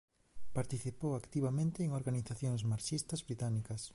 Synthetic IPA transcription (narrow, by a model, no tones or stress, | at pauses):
paɾt̪iθipowakt̪iβamẽnt̪ɪeŋoɾɣaniθaθjoŋzmaɾʃist̪ɐzβɾit̪anikɐs